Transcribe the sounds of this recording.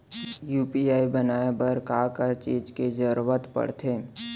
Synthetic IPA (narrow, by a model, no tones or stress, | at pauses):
juːpiaːibənaːebəɾkaːkət͡ʃiːd͡ʒked͡ʒəɾuʋət̪pə̰ɽ̤t̪ʰeː